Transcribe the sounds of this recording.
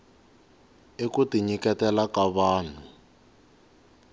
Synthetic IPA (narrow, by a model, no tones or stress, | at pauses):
ekutiɲikɛtɛlakaβaːn̤u